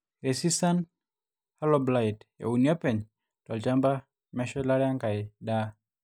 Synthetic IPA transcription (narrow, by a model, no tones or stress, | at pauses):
ɾesisan | halɔblaitja̰uniɔpɛɲ | tɔlt͡ʃamba | mɛʃɔlaɾɛaŋɡaɪda